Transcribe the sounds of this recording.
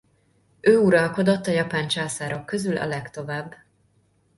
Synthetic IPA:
øːuɾɒlko̞d̪ot̪ːɒjɒpaːnt͡ʃaːsaːɾɒkø̞zylɒ̰lɛkt̪o̞vaːbː

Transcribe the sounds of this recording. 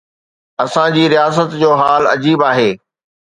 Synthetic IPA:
ɐsãd͡ʑiːɾijaːs̬ət̪d͡ʑoːɦaːlɐ̰d͡ʑiːbaːɦeː

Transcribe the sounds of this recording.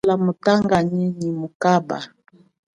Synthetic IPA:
lamutaŋɡaɲiɲimukaba̰

